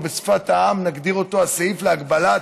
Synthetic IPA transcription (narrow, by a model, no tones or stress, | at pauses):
besfat̪aamnaɡd̪iʁo̞t̪o̞asaifleaɡbala